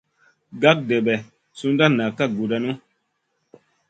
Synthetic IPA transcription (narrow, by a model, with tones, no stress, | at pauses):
ɡa˦k̚dɛ˨bɛ˨ | su˧n˦da˦na˨ka˦ɡu˨da˧nu˦